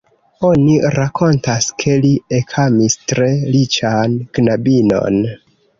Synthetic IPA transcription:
o̞niɾakʰo̞ntaskʰe̞liekʰamistɾe̞lit͡ʃanɡ̥nabino̞̰n

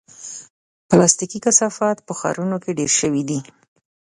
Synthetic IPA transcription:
plɑst̪ikikasɑfɑt̪pəxɑ̰ɾunokeɖeɾʃəwid̪i

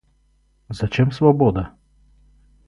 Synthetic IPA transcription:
zat͡ʃemsvɔboːd̪a

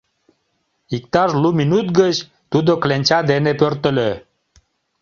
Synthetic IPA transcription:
ik̚t̪ɑʒluminut̪ɡət͡ɕ | t̪ud̪oklenʲt͡ɕɑd̪enepørt̪ə̆lø

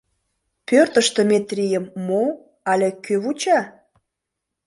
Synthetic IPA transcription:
pørt̪ə̆ʃt̪emʲet̪rʲijəmːo | ɑlʲekøβut͡ɕɑ

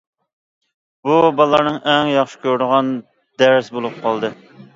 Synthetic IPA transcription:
bubɑlˠɑɾnɨŋʔɛŋjɑχʃɪ̥kʲʰøɾd̪ʊʁɑn | d̪̥æɾsbolˠup̚qʰɑlˠd̪ɨ

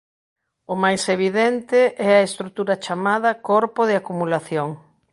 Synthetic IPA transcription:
ʊmajseβiðɛnt̪ɪʔɛɐest̪ɾut̪uɾɐt͡ʃamað̞ɐkoɾpoð̞ɪakumulaθjoŋ

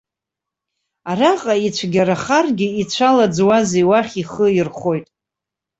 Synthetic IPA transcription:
araqʼait͡ʃʷʰɡʲaɾaχarɡʲɪit͡ɕʷʰalad͡zwazejwaχʲiχəirχo̞jtʼ

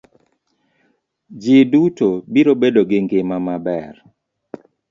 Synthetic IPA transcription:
d͡ʒɪdutobiɾobedoɡɪŋɡɪmamabɛr

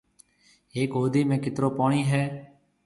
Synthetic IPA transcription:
ɦeːkɦoːd̪iːmẽːkɪt̪ɾoːpaːɳiːɦɛː

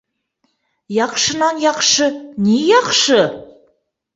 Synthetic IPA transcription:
jɑqʃənɑnjɑqʃənejɑqʃə

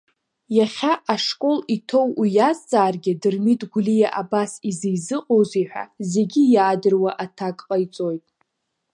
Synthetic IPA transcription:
jaχʲaʔaʂkʼo̞litʰo̞wijazt͡sʼaːrɡʲɪdɨrmitʼɡʷulijaʔabasizejzɨqʼowziħʷᶣa̰ze̞ɡʲɪjaːdɨrwaʔatʰakʼqʼajt͡sʼo̞jtʼ

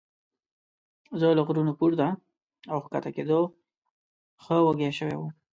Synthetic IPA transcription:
zələɣɾunopuɾd̪a | awxka̰t̪aked̪o | xəwaɡaʃəwḛwu

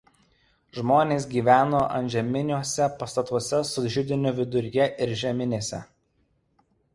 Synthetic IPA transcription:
ʒmoːnʲeːs̬ɡʲiːʋʲæːnoːʔɐ̰nʲʒʲɛmʲɪnʲuɔsʲɛpɐst̪ɐt̪ɔsʲɛsʊʒʲɪd̪ʲɪnʲʊʋʲɪd̪ʊɾʲjɛʔɪɾʒʲɛmʲɪnʲeːsʲɛ̰

